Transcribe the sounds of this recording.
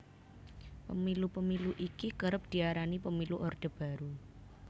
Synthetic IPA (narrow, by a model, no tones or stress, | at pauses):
pəmilupəmiluʔikikəɾəp̚d̪̥i̤aɾanipəmiluʔɔrd̪̥ə̤b̥a̤ɾu